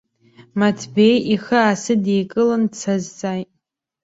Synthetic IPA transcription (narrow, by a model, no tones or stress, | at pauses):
matʰbejixɨasɨdejkʼɨlɨnt͡sʰazt͡sʼajtʼ